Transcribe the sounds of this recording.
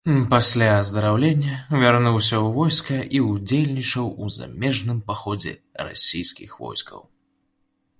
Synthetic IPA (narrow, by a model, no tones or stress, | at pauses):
pasʲlʲazd̪ɐɾawlʲenʲːɐvʲarnuwsʲɐwvɔjskɐʔiud͡zʲelʲnʲit͡ʂɐwuza̰mʲɛʐnɨmpaxɔd͡zʲɛ̰ra̰sʲijskʲixvɔ̰jskɐ̰w